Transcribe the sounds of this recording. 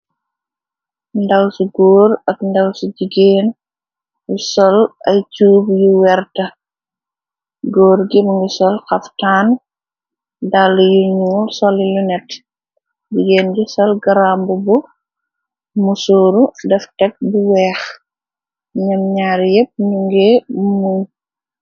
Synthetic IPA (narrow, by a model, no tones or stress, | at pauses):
ndɐwsuɡoːɾɐkndɐwsuɟiɡeːn | jusɔlɐjt͡ʃuːbjuwɛrtɐ | ɡoːɾɡimŋɡisɔlxɐftaːn | dalːujuɲuːlsɔlijunɛt | ɟiɡeːnɟusɔlɡɐɾaːmbubu | musoːɾudɛftɛk̚buwɛːx | ɲɐmɲaːɾjɛp̚ɲuŋɡɛmuːn